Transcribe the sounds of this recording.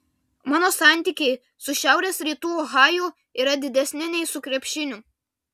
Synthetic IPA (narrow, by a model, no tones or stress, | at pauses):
mɑːnoːsɑˑnʲt̪ʲiːkʲɛɪ | sʊʃʲæˑʊɾʲeːsɾʲiːt̪uːɔɣɑːjʊˑ | iːɾɐd̪ʲɪd̪ʲɛsʲnʲɪnʲɛɪsʊkɾʲɛpʲʃʲɪnʲʊ